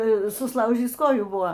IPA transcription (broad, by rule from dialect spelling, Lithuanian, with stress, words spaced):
sʊsˈlˠɐʊʒʲiːs ˈkoːjuː ˈbʊʋoː